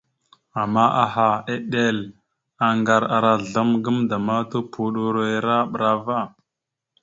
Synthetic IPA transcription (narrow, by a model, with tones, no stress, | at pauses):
a˨mːa˦ʔa˨ɦa˨e˦ɗe˦˨l | a˨ŋɡa˨ɾa˨ɾa˨ɮa˦mɡə˦mda˨ma˦tu˦pʰu˨ɗu˨ɾe˦ɾa˦ɓɾa˦va˦